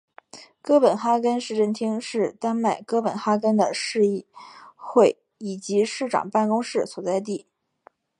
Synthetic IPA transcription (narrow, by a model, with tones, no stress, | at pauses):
kɤ˥pə˨˩nxa˥kə˥nʂɻ̩˥˧ʈ͡ʂə˥˩nt̪ʰi˥ŋʂɻ̩˥˩t̪a˥nma˨˩ɪkɤ˥pə˨˩nxa˥kə˥nd̪ə˨ʂɻ̩˥˧i˥˩xwe˥˩ɪ | i˨˩t͡ɕi˧˥ʂɻ̩˥˩ʈ͡ʂɑ̰˨˩ŋpa˥˧nkʊ˥ŋʂɻ̩˥˩swɔ˨˩t͡sa˥˧ɪt̪̬i˥˩